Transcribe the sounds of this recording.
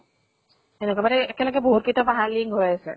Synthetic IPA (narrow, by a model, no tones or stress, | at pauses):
enukabaɾɛɛkɛlɔɡɛboɦutkitapaɦaliŋɡɦojasɛ̰